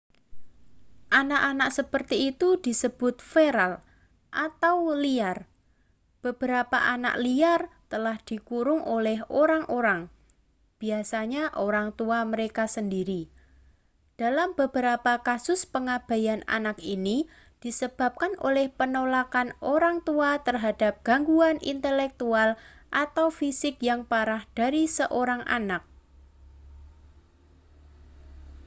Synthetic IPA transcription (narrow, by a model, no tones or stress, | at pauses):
ʔanaʔanaʔsəpərt̪iːt̪ud̥i̤səb̥ʊt̪̚feɾal | ʔat̪awliar | b̥əb̥əɾapa̰ʔana̰ʔliart̪əlahd̪̥i̤kuɾʊŋʔolɛɦoɾaŋʔoɾaŋ | b̥i̤asaɲaʔoɾaŋt̪uaməɾekasəndiɾi | d̥alambəbəɾapakasʊspəŋab̥a̤jana̰nakini | d̥i̤səb̥a̤p̚kanʔo̰lɛhpənolakanoɾaŋt̪uat̪ərɦad̥a̤p̚ɡ̥aŋɡuanʔḭnt̪əlɛk̚t̪ualʔat̪awfisɪkjaŋpaɾahd̥aɾisəʔoɾaŋʔa̰nak̚